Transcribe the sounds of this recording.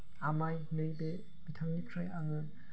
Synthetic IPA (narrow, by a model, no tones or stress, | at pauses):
amajnɯjbe | bitʰaŋnikʰɾajaŋɯ